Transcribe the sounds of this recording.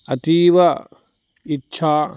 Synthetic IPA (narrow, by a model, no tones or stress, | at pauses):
ɐt̪iːʋɐ | itːʃʰaː